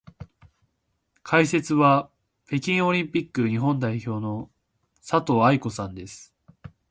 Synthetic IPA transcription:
kʰaise̞t͡sɨβa | pe̞kʲĩɰ̃o̞ɾʲĩmpʲikːɯ̟ɲ̟iɦõ̞nd̪aiço̞ːno̞ | sat̪o̞aiko̞sãnd̪e̞sɨ̥

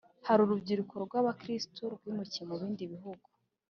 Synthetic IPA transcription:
haɾuɾubɟiɾukʰoɾɡwaːβakɾistoɾɡwiːmucimuβiːndiβiɦuɡu̥

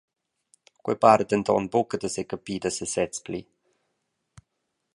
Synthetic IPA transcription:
kwḛpaːɾət̪ənt̪ɔ̰nbukəd̪əsekəpiːd̪əsəsɛt͡spli

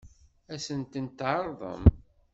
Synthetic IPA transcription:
æsənt̪ənt̪ʕəɾˤðˤə̰m

